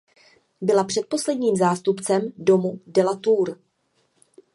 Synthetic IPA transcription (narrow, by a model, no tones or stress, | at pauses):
bɪlapr̥ɛt̪̚po̞slɛdɲiːmzaːst̪upt͡sɛmdo̞mudɛlat̪uːɾ